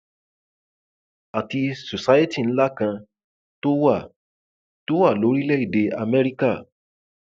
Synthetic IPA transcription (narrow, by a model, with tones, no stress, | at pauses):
a˨ti˧so˨sa˦je˦ti˦˨ñ̩˦la˦kã˧ | to˦wa˦˨ | to˦wa˦˨lo˨˦ɾi˦lɛ˦i˦˨de˧a˧mɛ˦ɾi˦ka˦˨